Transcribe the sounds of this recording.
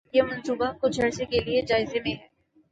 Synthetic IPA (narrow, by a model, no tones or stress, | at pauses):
jemɐ̃nsuːbakʊt͡ʃʰɐɾsekelied͡ʒaːɪzemẽɦɛː